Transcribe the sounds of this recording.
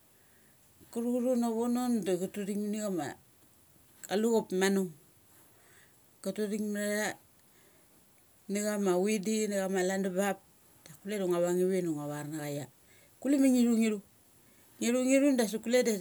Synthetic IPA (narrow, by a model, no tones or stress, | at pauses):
kuɾuɾunaβonondaɡutudiŋniɡama̰ | aluɣopmanuŋ | ɡ̥atudiŋmaɾa | niɣamawidiniɣamalandabap̚ | d̥akuleduŋaβaŋiβinuŋaβaɾnaɣaja | kulimaŋiɾuŋiɾu | ŋiɾuŋiɾundas̬ukuleda